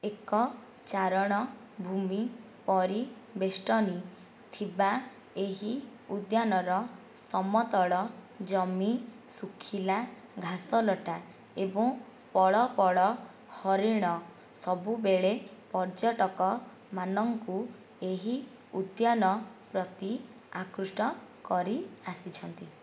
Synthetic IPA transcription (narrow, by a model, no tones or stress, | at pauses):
ekɔ | t͡ʃaɾɔɽ̃ɔ | bʱumi | pɔɾibesʈɔni | t̪ʰiba | eɦiud̪janɔɾɔ | sɔmɔt̪ɔɭɔ | d͡ʒɔmi | sukʰila | ɡʱasɔlɔʈa | ebɔŋ | pɔɭɔpɔɭɔ | hɔɾiɽ̃ɔ | sɔbubeɭepɔɾd͡ʒɔʈɔkɔ | manɔŋku | eɦi | ud̪jɔnɔpɾɔt̪i | akɾusʈɔkɔɾiasit͡ʃʰɔnt̪i